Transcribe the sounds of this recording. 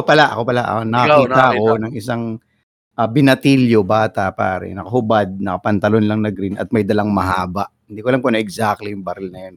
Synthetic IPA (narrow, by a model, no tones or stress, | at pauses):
pɐlaʔɐko̞pɐlaʔnɐkɐkiːaʔɐko̞nɐŋʔɪsaŋ | ʔɐbɪnɐt̪iljobaːt̪ɐpa̰ːɾɛ̰nɐkɐɦʊbad̪̚nɐkɐpɐnt̪ɐlonlɐŋnɐɡɾinɐ̰t̪̚mɐjd̪ɐlaŋmɐɦaːbɐʔɪnd̪iːkolɐmponɐɛɡsak̪̚lijʊŋbɐɾɪlnɐjon